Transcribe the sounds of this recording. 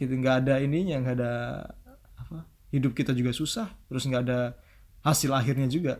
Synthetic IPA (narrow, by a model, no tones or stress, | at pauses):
ŋɡaːdainiɲaŋɡaːdaː | pa | hidʊp̚kit̪ad͡ʒuɡasusaht̪əɾʊsŋɡaːda | hasɪlaɦɪrɲad͡ʒuɡa